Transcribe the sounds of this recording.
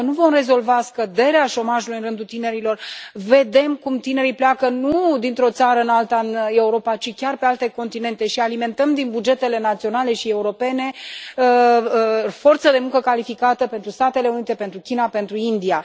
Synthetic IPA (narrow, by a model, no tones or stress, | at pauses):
nuvo̞mre̞zo̞lvaskəd̪e̞ɾeaʃo̞maʒulujɨnrɨnd̪ut̪ine̞ɾilo̞rve̞d̪e̞mkumt̪ine̞ɾijpleakənud̪int̪ɾo̞t̪saɾəɨnalt̪aɨne̞uɾo̞pat͡ʃikʲarpe̞alt̪e̞ko̞nt̪ine̞nt̪e̞ʃialime̞nt̪əmd̪inbud͡ʒe̞t̪e̞le̞nat̪sio̞nale̞ʃie̞uɾo̞pe̞ne̞ə | fo̞rt̪səd̪e̞muŋkəkalifikat̪əpent̪ɾust̪at̪e̞le̞unit̪e̞pe̞nt̪ɾukʲinape̞nt̪ɾuind̪ia